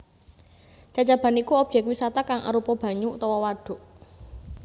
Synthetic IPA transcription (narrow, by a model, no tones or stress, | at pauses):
t͡ʃat͡ʃab̥a̤nikuɔb̥jɛk̚wisat̪akaŋa̰ɾupɔb̥ä̤ɲut̪ɔwɔwaɖ̥o̤ʔ